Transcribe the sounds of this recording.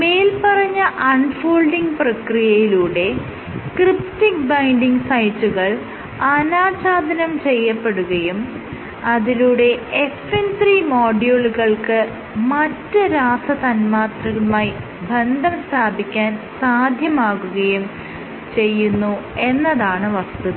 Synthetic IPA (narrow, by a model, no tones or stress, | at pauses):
me̞ːlpɐrɐɲːɐʔɐɳɖfoːɭɖiŋɡprɐkrijɐjiluːɽe̞ | kriptik̚bɐjɳɖiŋɡsɐjtːuɣɐɭ | ɐnaːt͡ɕaːd̪ʱɐnɐmt͡ɕe̞jːɐpːe̞ɽuɣɐjum | ɐðiluːɽe̞efent̪riːmoːɖijoɭɣɐɭkɨ | mɐtːɨɾaːsɐt̪ɐnmaːt̪rɐɣɐɭumaːji | bʱend̪ʱɐmst̪ʰaːbʱikʲːaːnsaːd̪ʱjɐmaːɣuɣɐjum | t͡ɕe̞jːunːue̞nːɐðaːɳɨʋɐst̪u